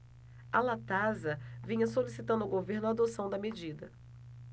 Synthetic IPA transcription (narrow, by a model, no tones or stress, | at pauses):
alat̪azɐvĩɲɐsolisit̪ɐ̃nd̪ʊawɡoveɾnʊad̪osɐ̃w̃d̪ɐmed͡ʒid̪ɐ